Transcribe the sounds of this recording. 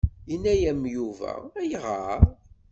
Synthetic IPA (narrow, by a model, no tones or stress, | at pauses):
inːæjæmjuvæ̰æjʁaɾ